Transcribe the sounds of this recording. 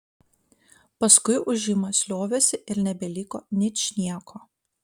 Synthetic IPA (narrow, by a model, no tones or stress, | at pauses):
pɐskʊɪʔʊʒʲɪmɐsʲlʲoːʋʲesʲɪʔɪɾnʲɛbʲɛlʲikoːnʲɪt͡ʃʲnʲiɛkʰoː